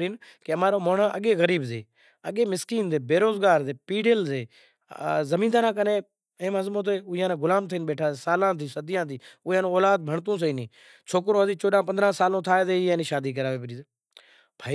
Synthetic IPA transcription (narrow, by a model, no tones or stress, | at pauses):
iːnkeəmãːɾoːmoːɳə̃ʔəɠeːɣəɾiːbzḛː | ə̰ɠeːmɪskiːnzeːbeːɾoːzɡaːɾzeːpiːɖeːlzeː | zəmĩːnd̪aːɾãːk̬əneː | ẽːməzmõːt̪̬eːʊijãːnẽːɡʊlaːmt̪ʰiːnɓeːʈʰaːeːsaːlãːt̪ʰiːsəd̪ɪjãːt̪̬ʰiːʊãːnõːoːlaːd̪̚bʱəɳt̪̬ũːs̬əiːniː | t͡ʃʰoːkɾoːəzĩːt͡ʃoːɗãːp̬ənd̪ɾãːsaːlõːt̪ʰaːeːzeːiːẽːniːʃaːd̪iːk̬əɾaːʋeːp̬əɾiːzeː | bʱaː